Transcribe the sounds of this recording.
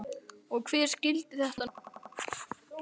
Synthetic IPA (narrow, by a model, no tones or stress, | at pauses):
ɔɣkʰvɛɾ̥scɪlt̪ɪθɛht̪a